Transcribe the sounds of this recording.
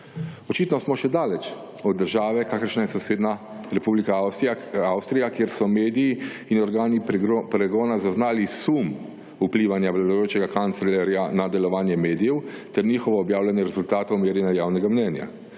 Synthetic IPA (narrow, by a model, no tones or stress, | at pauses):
ɔt͡ʃiːt̪nɔsmɔʃɛd̪aːlɛt͡ʃ | ɔd̪̚ːəɾʒaːʋɛkaːkəɾʃnajɛsɔseːd̪na | ɾɛpublikawsawst̪ɾijakjeːɾsɔmeːd̪iji | inɔɾɡaːnipɾɛɡɔːnazaznaːlisum | upliːʋanjaʋlad̪ojoːt͡ʃɛɡakant̪sɛlɛɾjanad̪ɛlɔʋaːnjɛmeːd̪ijɛwt̪ɛɾniːxɔʋɔːbjaːwlanjɛɾɛzult̪aːt̪ɔwmeːɾinajaːwnɛɡamnɛnja̰